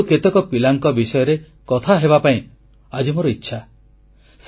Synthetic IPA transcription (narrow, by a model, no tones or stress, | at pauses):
ket̪ɔkɔpilaŋkɔbisɔjɔɾe | kɔt̪ʰaɦeβapaĩ | ad͡ʒimoɾɔitːʃʰa | s